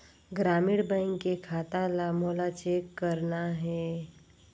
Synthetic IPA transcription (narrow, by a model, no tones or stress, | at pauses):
ɡɾaːmɪɽbə̃ɪŋkekʰaːt̪alamoːlat͡ʃeːkːəɾnaɦɛː